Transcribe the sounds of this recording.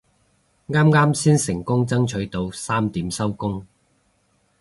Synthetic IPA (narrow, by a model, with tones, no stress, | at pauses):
ŋaː˥mŋaː˥msiː˥nsɪ˨˩ŋkʊ˥ŋt͡sɐ˥ŋt͡ʃʰɵ˨˥ɥt̪o˧wsaː˥mt̪iː˨˥msɐ˥wkʊ˥ŋ